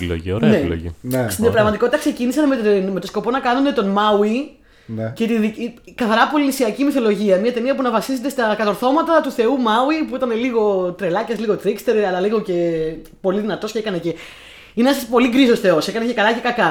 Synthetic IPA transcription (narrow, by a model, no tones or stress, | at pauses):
lo̰ʝioɾnelo̰ʝḭnst̪inpɾɐɣmɐt̪iko̞t̪it̪ɐkse̞cinisɐnmetnme̞t̪o̞sko̞po̞nɐkɐnune̞t̪o̞nmɐwi | nce̞t̪iðickɐθɐɾɐpo̞linisiɐcimiθo̞lo̞ʝiɐmiɐt̪e̞niɐpunɐvɐsize̞t̪est̪ɐkɐt̪o̞ɾθo̞mɐt̪ɐt̪uθe̞umɐwipuit̪ɐne̞liɣo̞t̪ɾe̞lɐcɐsliɣo̞t̪ɾikst̪e̞ɾɐlɐliɣo̞ce̞ | po̞liðinɐt̪o̞sceekɐnece | ineesɐspo̞liɡɾiso̞sθe̞o̞se̞kɐnecekɐlɐce̞kɐkɐ